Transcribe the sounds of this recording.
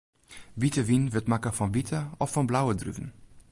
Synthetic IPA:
vitəvinvətmakəfɔnvitʰəɔfːɔnblawədry̰vən̩

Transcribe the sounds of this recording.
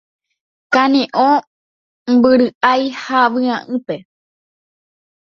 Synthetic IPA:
kãnĩʔõ | mbɨɾɨʔajhaʋɨãʔɨ̃pe̞

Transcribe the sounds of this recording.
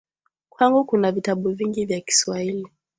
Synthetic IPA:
kwaŋɡukunavitaɓuviŋɡivjaki̥swahili

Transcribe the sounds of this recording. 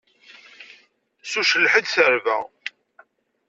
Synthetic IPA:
suʃəlːħid̪θəɾvæ̰

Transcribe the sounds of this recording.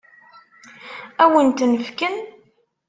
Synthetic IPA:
æwənt̪nəvkən

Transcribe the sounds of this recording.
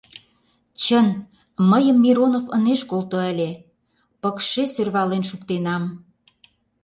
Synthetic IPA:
t͡ɕən | məjəmːiɾonofə̰neʃkolt̪oə̆lʲe | pəkʃesørβɑlenʃukt̪enɑm

